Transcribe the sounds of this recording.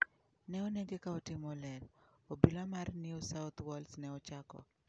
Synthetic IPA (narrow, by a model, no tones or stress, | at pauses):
nɛɔneɡekaotɪmɔlɛlobilamarniusawt̪wɔlsnɛɔt͡ʃakɔ̰